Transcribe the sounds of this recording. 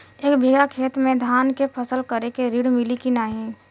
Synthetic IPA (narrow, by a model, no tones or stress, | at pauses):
eːkbʱiːɡakʰeːt̪mẽd̪ʱaːnkepʰəsəlkəɾekeɾiːɽmɪlikinaːɦĩː